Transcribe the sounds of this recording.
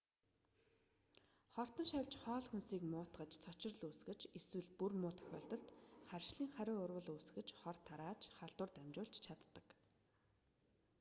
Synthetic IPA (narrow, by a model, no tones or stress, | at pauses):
χɔr̥t̪ɞ̆nʃæwʲt͡ɕχɔːɮxunsiːkmʊːt̪ɢə̆t͡ɕt͡sʰɔt͡ɕɪ̆rɮuːsɡɘ̆t͡ɕeswɘ̆ɮpurmʊːt̪ʰœ̥xʲɔ̰ːɮt̪ɞ̆ɬt̪χærʃɮiːŋχæɾʲʊːʊrwə̆ɮuːs̆ɣɘ̆t͡ɕχɔrt̪ʰːaɾaːt͡ɕχaɮt̪wʊ̆rt̪æmʲt͡ɕʊːɮt͡ɕt͡ɕʰat̪ːə̆k